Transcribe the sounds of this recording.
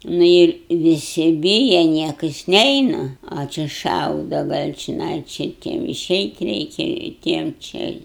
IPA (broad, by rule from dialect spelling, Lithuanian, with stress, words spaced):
ˈnʊ ɪr ʋʲɪˈsʲɪ ˈbʲiːjɛ ˈnʲiɛkɐs ˈnʲɛɪnɐ ɐ ˈt͡ʃʲɪ ˈʃɐʊdɐ ˈɡɐlʲ t͡ʃʲɪˈnɐɪ t͡ʃʲɪ ˈtʲiɛm ɪˈʃʲɛɪtʲ ˈrʲɛɪkʲɛ ɪ ˈtʲiɛm ˈt͡ʃʲɛ ɪ